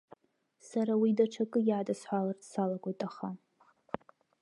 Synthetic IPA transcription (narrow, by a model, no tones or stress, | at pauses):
saɾawidaʈ͡ʂʰakʼɨjaːdasħʷalartsalaɡʷatʼaχa